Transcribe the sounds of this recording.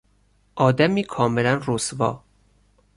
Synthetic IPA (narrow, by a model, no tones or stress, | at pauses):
ʔɒːd̪æmiːkʰɒːmelænrosvɒ̰ː